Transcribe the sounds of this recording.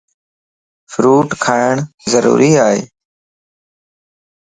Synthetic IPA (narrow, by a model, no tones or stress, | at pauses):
fɾuːʈkʰaːɪɳzəɾṵːɾiːaːɦḛː